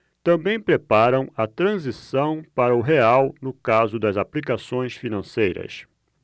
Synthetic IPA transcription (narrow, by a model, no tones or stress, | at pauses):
t̪ɐ̃bẽj̃pɾepaɾɐ̃w̃ɐt̪ɾɐ̃zisɐ̃w̃paɾɐʊɦeawnʊkazʊd̪ɐzaplikasõj̃sfinɐ̃sejɾɐ̰s